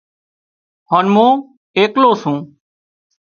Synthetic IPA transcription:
hoːnmõː | eːkloːsũː

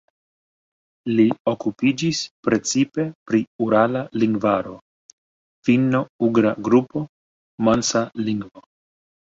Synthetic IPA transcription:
lio̞kupid͡ʒispɾe̞t͡sipe̞pɾiuɾalaliŋɡvaɾo̞ | finːo̞uɡɾaɡɾupo̞ | mansaliŋɡvo̞

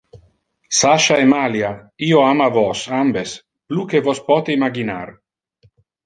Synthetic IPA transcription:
saʃaemaljaiːoamavɔsambes | plukevɔspɔt̪eimaɡinar

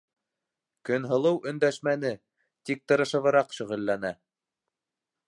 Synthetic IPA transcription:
kɵ̆nɦɤ̆lˠɤwʔɵ̆nd̪æʃmænɘ | t̪ik̚t̪ɤ̆ɾɤ̆ʃɤ̆βɤ̆ɾɑqʃɵ̆ʁɘ̆lːænæ

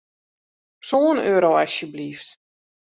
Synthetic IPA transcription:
soːənøːɾowasjəbliːft

